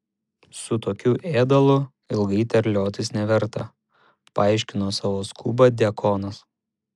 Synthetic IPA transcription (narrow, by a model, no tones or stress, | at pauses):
sʊt̪oːkʲuːʔeːd̪ɐlˠʊ | ɪlˠɡɐɪt̪ʲɛɾʲlʲoːt̪ʲɪsnʲɛʋʲɛɾt̪ɐ̰ | pɐɑɪʃʲkʲɪnoːsɑːʋoːskʰuːbɐd̪ʲɛkʰoːnɐs